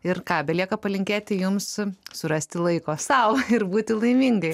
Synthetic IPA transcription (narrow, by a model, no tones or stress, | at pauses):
ɪrkɑːbʲɛlʲiɛkɐpɐlʲɪŋʲkʲeːt̪ʲɪjʊmssʊrɐsʲt̪ʲɪlˠɐɪkoːsɐʊɪrbuːt̪ʲɪlˠɐɪmʲiːŋɡɐɪ